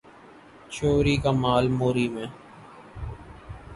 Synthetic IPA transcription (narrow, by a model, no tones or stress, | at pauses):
t͡ʃoːɾiːkaːmaːlmoːɾiːmẽː